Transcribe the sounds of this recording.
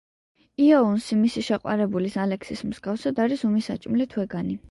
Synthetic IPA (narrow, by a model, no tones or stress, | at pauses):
iaunsimisiʃɛqʼwa̰ɾɛbulisalɛksismz̥ɡafsad̪aɾisumisat͡ʃʼmlit̪ʰwɛɡani